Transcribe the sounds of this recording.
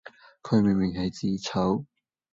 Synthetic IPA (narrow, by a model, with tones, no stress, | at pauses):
kʰɵ˨˧ɥmɪ˨˩ŋmɪ˨ŋhɐ˨˩jt͡siː˨˥t͡sʰɐ˨˥w